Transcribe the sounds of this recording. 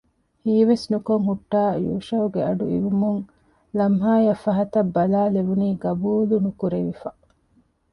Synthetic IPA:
hiːʋesnukoŋɦuʈːaːjṵːʃɐuɡeɐɖuḭʋumuŋ | lɐmɦaːjɐfːɐɦɐt̪ɐbːɐlaːleʋuniːɡɐbuːlunukuɾeʋifɐ

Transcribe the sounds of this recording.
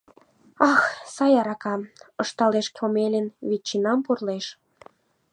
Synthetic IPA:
ɑxsɑjɑɾɑkɑmɤʃt̪ɑleʃkʲomelʲenβit͡ɕːinɑmpurleʃ

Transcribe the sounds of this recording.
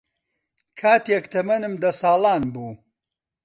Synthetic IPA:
kʰaːt̪ekt̪ʰɐmɐnɨmd̪ɐsaːlˠaːnbuː

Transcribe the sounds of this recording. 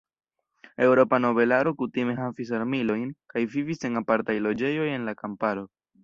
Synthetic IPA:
e̞wɾo̞pano̞be̞laɾo̞kutime̞ɦafis̬aɾmilo̞jnkajvivise̞napaɾtajlo̞d͡ʒe̞jo̞je̞nlakampaɾo̞

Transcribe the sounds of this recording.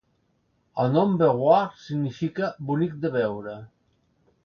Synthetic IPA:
əlnɔmbeɣwaɾsiɣnifikabunik̚d̪əβɛwɾə

